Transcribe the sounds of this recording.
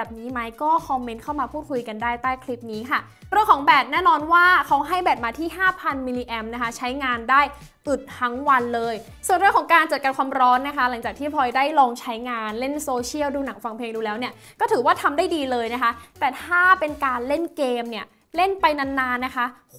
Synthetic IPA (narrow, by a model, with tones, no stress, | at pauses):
bɛ˨˩p̚niː˦˥ma˦˥jkɔː˥˩kʰɔ˧mːe˦˥nkʰa˥˩wmaː˧pʰu˥˩t̪̚kʰu˧jka˧ndaː˥˩jt̪aː˥˩jkʰli˦˥p̚niː˦˥kʰa˥˩ | ɾi˥˩əŋkʰɔː˩˦ŋbɛː˨˩t̪̚nɛː˥˩nɔː˧nwaː˥˩kʰa˦˥wɦa˥˩jbɛː˨˩p̚maː˧t̪ʰiː˥˩ɦaː˥˩pʰa˧nmiː˧liː˧ʔɛ˧mna˦˥kʰa˦˥t͡ɕʰa˦˥jŋaː˧ndaː˥˩j | ʔɯ˨˩t̪̚hʰa˦˥ŋwa˧nlɤː˧j | su˨˩ənɾɯ˥˩əŋkʰɔ˩˦ŋkaː˧nt͡ɕa˨˩t̪̚ka˧nkʰwaː˧mɾɔː˦˥nːa˦˥kʰa˦˥la˨˩˦ŋt͡ɕaː˨˩k̚t̪ʰiː˥˩pʰɔ˧jdaː˥˩jlɔː˧ŋt͡ɕʰa˦˥jŋaː˧nle˥˩nsoː˧t͡ɕʰi˥˩əwduː˧na˨˩˦ŋfa˧ŋpʰleː˧ŋduː˧lɛː˦˥wni˥˩ɐ | kɔː˥˩t̪ʰɯː˩˦waː˥˩t̪ʰa˧mdaː˥˩jdiː˧lɤː˧jna˦˥kʰa˦˥t̪ɛː˨˩t̪ʰaː˥˩pe˧nkaː˧nle˥˩nkeː˧mni˥˩ɐ | le˥˩npa˧jna˧nːaː˧nːa˦˥kʰa˦˥